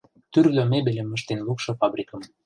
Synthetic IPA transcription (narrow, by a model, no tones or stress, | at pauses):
t̪yrɣømebelemːə̆ʃt̪enlukʃɤ̆fɑbɾʲikə̆m